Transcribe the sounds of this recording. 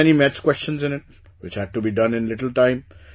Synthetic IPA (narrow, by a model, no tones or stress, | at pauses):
ɛnimɛtskwɛst͡ʃə̃nzɪ̃nɪʈ̚ | ʋɪt͡ʃhæɖ̚ʈubiɖʌ̃nɪ̃nlɪʈəl̩ʈãɪ̃m